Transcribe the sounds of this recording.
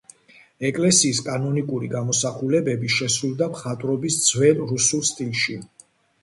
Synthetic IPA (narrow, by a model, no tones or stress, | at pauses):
ɛkʼlɛsiːskʼanɔnikʼuɾiɡamɔsaχulɛbɛbiʃɛsɾulˠd̪amχat̪ʼɾɔbisd̪zwɛlɾusulˠst̪ʼilˠʃi